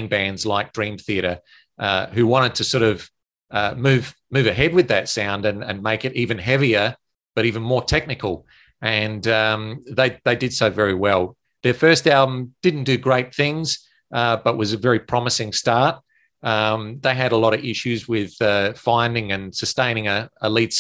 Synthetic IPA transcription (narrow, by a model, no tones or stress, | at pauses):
ŋbæ̃ndzlaɪk̚d̥ɹĩmθiɨɾə˞ | ʔʌɦʉwɑ̃ɾ̃ɨd̚tʰɨsɔɹɾʌv̥ | ʌmʉv̥ | mʉvɨɦɛd̚wɨðɨtsãʊ̃ndɨ̃nɨ̰̃nmeɪkɨɾivɨ̃nɦɛviə˞ | b̥ʌɾivɨ̃n̩mɔɹtʰɛk̚nɨkl̩ˠ | ɨ̃nʌ̃mðeɪðeɪdɨd̥soʊvɛɹiwɛlˠ | ðə˞fɜ˞stælˠbə̃md̥ɪdⁿn̩d̥ɨɡɹeɪt̪̚θɪ̃ŋz̥ | ʔʌb̥ʌʔ̚wʌzɨvɛɹipʰɹ̥ɑməsɪ̃ŋstɑɹt̚ | ʌ̃mðeɪɨɾəlɔɾʌɪʃʉzwɪð̥ʌfãɪ̃ndɪ̃ŋɨ̃nsɨstẽɪ̃ñɪ̃ŋɨəlits